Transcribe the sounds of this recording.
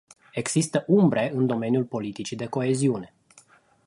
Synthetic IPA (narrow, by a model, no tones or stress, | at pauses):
e̞ɡz̥ist̪əʔumbɾe̞ɨnd̪o̞me̞njulpo̞lit̪it͡ʃid̪e̞ko̞e̞ziune̞